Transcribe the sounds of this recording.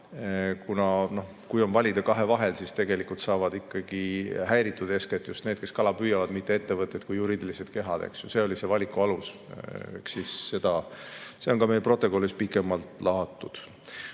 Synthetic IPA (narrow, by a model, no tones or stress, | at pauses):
kunɑno̞h | kujo̞nvɑlʲid̪̥ɑkɑɦe̞vɑɦe̞lsist̪e̞ɡ̥e̞likult̪sɑːvɑd̪̥ikːˑɑɡ̥ihæjɾit̪ːˑud̪e̞sket̪ːˑjust̪ne̞ːd̪̥ke̞skɑlɑpyːjɑvɑd̪̥mit̪ːeet̪ːevɤt̪ːˑet̪̚kujːuɾiːd̪̥ilised̪̥ke̞ɦɑd̪̥ḛksjuse̞o̞lise̞vɑlʲikuɑluseksisːe̞d̪̥ɑse̞o̞nkɑmejlpro̞t̪ːˑo̞ko̞lispikːˑemːɑlt̪ˑlɑɦɑt̪ːˑud̪̥